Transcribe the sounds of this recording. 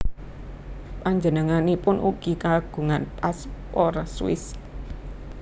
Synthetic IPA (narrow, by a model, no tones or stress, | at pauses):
paɲd͡ʒənəŋanipʊnʔṵɡ̥ikaɡ̥ṳŋanpaspɔrswɪ̰s